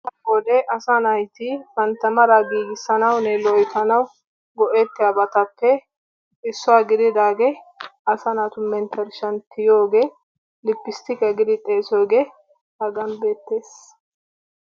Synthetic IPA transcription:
bɔd̪ɛʔɐsanɐjt̪ɪfɐnt̪ːɐmɐɾɐɡiːɡɪsːɐnɐwnɛlɔjt̪ɐnɐw | ɡɔʔɛt̪ːɪɐbɐt̪ɐpːɛ | ɪsːɔwaːɡɪd̪ɪd̪aːɡɛɐsɐnat̪ʊmɛnt̪ʰɛɾʃɐnt̪ɪjoːɡeː | lɪpːɪst̪ɪkɐɡɪd̪ɪt̪ʼeːsoːɡeː | hɐɡɐnbe̞ːt̪ːe̞ːs

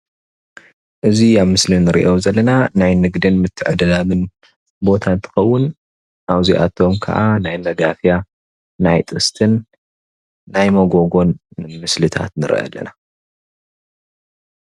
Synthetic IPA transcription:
ʔɨziaβmɨslinɨɾḭʔo̞zɐlːɐnanajnɨɡd̪ɨnmɨt̪ʰːɨʕɨd̪ɐlamɨn | bo̞t̪ʰant̪ʰɨ̥xɐwːʊn | ʔaβziʔa̰t̪ʰo̞mkʰɐ̰ʔanajmɐɡafja | najt̪ʼɨst̪ʰɨn | ajmɐɡo̞ɡo̞nmɨslɨt̪ʰa̰t̪nɨɾ̰ʔɐ̰lːɐ̰na

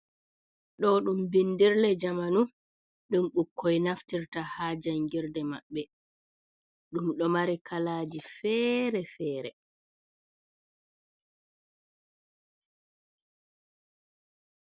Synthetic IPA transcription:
ɗɔɗumbindiɾlɛd͡ʒamanu | ɗumɗukːɔjnaftiɾtahaːd͡ʒaŋɡiɾdɛmaɓːɛ | ɗumɗɔmaɾɛkalaːd͡ʒifɛɾɛfɛːɾɛ

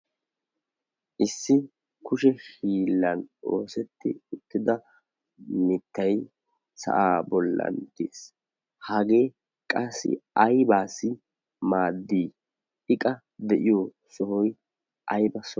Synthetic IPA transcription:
ʔɪsːɪ | kʊʃɛʃiːlːɐnoːsɛt̪ːɪ̰ʊt̪ːɪd̪ɐ | mɪt̪ːɐj | sɐ̰ʔaːbɔlːɐ̰nt̪eːs | hɐɡe̞ː | kʼɐsːɪ̰ɐjbaːsɪ | maːd̪ːiː | ɪkʼɐ | d̪ɛʔɪjoː | sɔhɔj | ʔɐjbɐsɔ

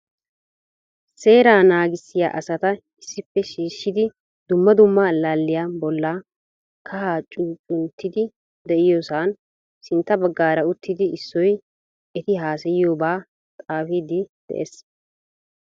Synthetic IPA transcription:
se̞ːɾaːnaːɡɪsːɪja̰ːʔɐsɐt̪ɐ | ɪsːɪpːɛʃiːʃːɪd̪ɪ | d̪ʊmːɐd̪ʊmːalaːlːɪjaːbɔlːaː | kʰɐhaːt͡ʃʼuːt͡ʃʼʊnt̪ːɪd̪ɪ | d̪ɛʔɪjosaːn | sɪnt̪ːɐbɐɡːaːɾɐʊt̪ːɪd̪ɪɪsːɔj | ɛt̪ɪɦaːsɛjɪjoːbaː | t̪ʼaːfiːd̪ɪd̪̥ɛ̰ʔḛːs

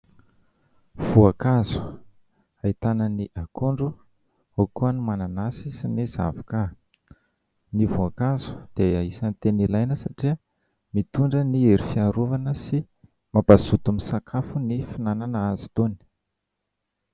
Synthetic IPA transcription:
v̥uakazu̥ | ait̪anəniʔakuɳɖ͡ʐu | okuənumananasisiniza̰vaka | nivuakazu̥d̪̥eaisanit̪enilajnəsaʈ͡ʂiə | mit̪uɳɖ͡ʐənieɾifiaɾuvanəsi | mabazut̪umisakʰafunifinananəazi̥t̪oni̥

